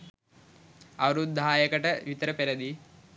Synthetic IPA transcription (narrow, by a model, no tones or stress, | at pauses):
ɐʋɾud̪ʱaːjɐkɐʈɐʋit̪ɐɾɐpeɾɐd̪i